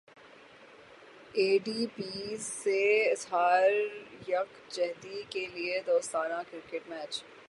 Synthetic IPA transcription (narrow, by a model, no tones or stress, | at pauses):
eːɖiːpiːzːeɪsɦaːɾjɐk | d͡ʒɛɦd̪ikelied̪oːst̪aːnãkɾɪɾkeʈmɛːt͡ʃ